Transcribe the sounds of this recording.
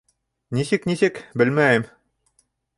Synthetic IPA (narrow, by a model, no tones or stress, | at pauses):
nisɘknisɘkbɘlmæjɘm